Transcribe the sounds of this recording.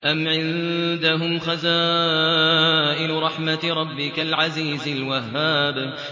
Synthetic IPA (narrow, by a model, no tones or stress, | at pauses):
ʔamʕɪnd̪aɦʊmxazaː | ʔɪnɾˤɑħmatɾˤɑbːɪkalʕaziːzalwaɦːaːb